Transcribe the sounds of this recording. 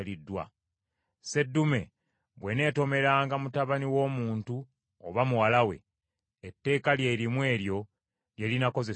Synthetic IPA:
lidːwa̰ | se̞dːume̞ | βwe̞ne̞ːto̞me̞ɾaːŋɡamutaβaniwo̞ːmuːntu | oβamuwalawe̞̰ | etːe̞ːkalje̞ɾimwe̞ːɾjo̞ | lje̞linako̞ze

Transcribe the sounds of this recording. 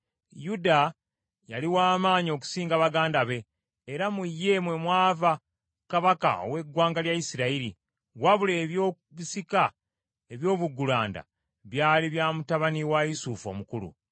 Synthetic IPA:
juda | jaliwaːmaːɲio̞ku̥siːŋɡaβaɡaːndaβe̞ː | ɾamujːe̞mwe̞mwaːva | kaβaka̰o̞̰we̞ɡwaːŋɡaljajisiɾaiɾi | waβule̞ːβjo | βisika | eβjo̞ːβuɡːulaːnda̰ | βjaːliβjaːmutaβaniwaisufo̞̰mukulṵ

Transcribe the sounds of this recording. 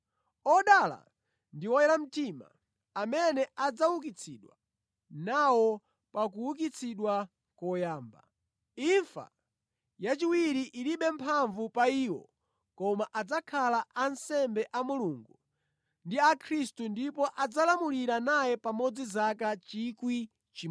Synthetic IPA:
ɔɗala̰ | ndiwɔjɛɾam̩tima̰ | amɛnɛʔad͡zawuk̬it͡sʰiɗwa̰ | nawɔ | pak̬uwuk̬it͡sʰiɗwa | kɔjaːmba̰ | iɱfa̰ | jat͡ʃiwiɾiʔiliɓɛmpʰaɱvupaiwɔ̰ | kɔmaʔad͡zakʰalaʔansɛmbɛʔamuluːŋɡu | ndiakʰɾistundipɔʔad͡zalamuliɾanajɛpamɔd͡zizakat͡ʃikwi | t͡ʃi

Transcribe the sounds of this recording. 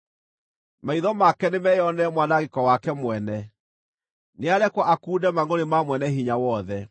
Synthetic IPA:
maiðɔmakɛnemɛjɔnɛmwanaɣekɔwakɛmwɛnɛ | neaɾɛkwaʔakuːdɛmaɡonemamwɛnɛɦiɲawɔðɛ

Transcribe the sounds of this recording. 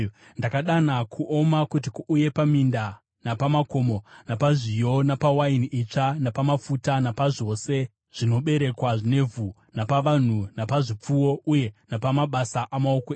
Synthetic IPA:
ndakaɗanakʰuʔo̞makutikuuje̞paminda | napamako̞monapaʐijo̞napawainiʔit͡ʂanapamafutanapaʐo̞se̞ | ʐ̥ino̞ɓe̞ɾe̞kwaʐine̞vʱu | napaʋan̤unapaʐip͡fuwo̞uje̞napamaɓasaʔamaokoe

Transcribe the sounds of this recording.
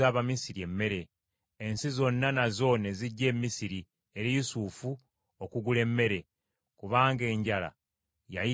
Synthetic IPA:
aːβamisiɾie̞mːe̞ɾe̞ː | nsizo̞nːanazo̞neziɟːe̞ːmːisiɾi | e̞ɾijusufu | okuɡule̞mːe̞ɾe̞ | kuβaːŋɡe̞ːɲɟala̰ | ja̰ji

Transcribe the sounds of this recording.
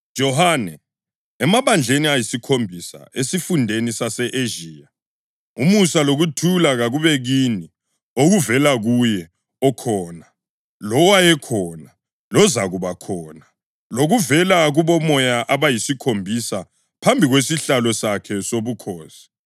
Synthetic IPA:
d̥ʒ̥ʱɔhanɛ | ɛmaβand͡ɮʱeniajisikʰombʱisa̰esifundʱenisasɛʔeʒiːja | umusaloɣutʰulaɣaɣuβɛɣini | oɣuvɛlaɣujɛ | ɔkʰɔːna | lɔwajɛkʰɔna | lɔzaɣuβakʰɔːna | loɣuvɛlaɣuβɔmɔjaʔaβajisikʰombʱisa | pʰambʱiɣwesiɬalɔsakʰɛsoβukʰɔːsi̥

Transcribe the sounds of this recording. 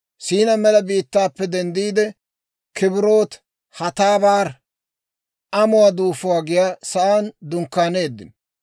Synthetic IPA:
siːnɐmɛlɐbiːt̪ːaːpːɛd̪ɛnd̪iːd̪ɛ | kʰɪbɪɾo̞ːt̪ | hɐt̪aːbaːɾ | ʔɐmʊwaːd̪uːfʊwaːɡɪjaːsɐʔaːnd̪ʊŋkːaːne̞ːd̪ːɪ̰n

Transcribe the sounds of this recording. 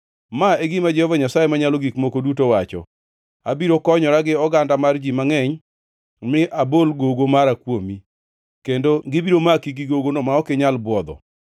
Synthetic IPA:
maeɡimad͡ʒɛhɔvaɲasajemaɲalɔɡikmokodutowat͡ʃɔ̰ | abiɾokɔɲɔɾaɡɪɔɡandamard͡ʒimaŋɛɲ | mɪʔabolɡoɡomaɾakwomi | kendoɡɪbiɾomakiɡiɡoɡonɔmaɔkɪɲalbwɔd̪ɔ̰

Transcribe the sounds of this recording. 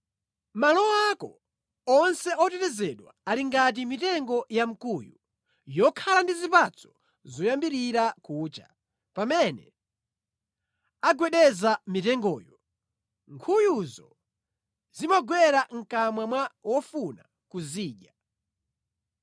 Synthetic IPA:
malɔakɔ | ɔnsɛʔɔtɛtɛzɛɗwa̰aliŋɡat̬imitɛŋɡɔjam̩kuju | jɔkʰalandizipat͡sɔ̥ | zɔjambiɾiɾakuːt͡ʃa̰ | pamɛnɛ | aɡwɛɗɛzamitɛŋɡɔːjɔ | ŋkʰujuzɔ | zimaɡwɛɾaŋ̩kamwamwawɔfuna | kuziːʄa

